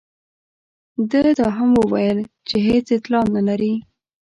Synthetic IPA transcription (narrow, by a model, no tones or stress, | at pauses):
d̪əd̪ɑɦamwəwajəl | t͡ʃeɦet͡sɪt̪lɑnnalaɾi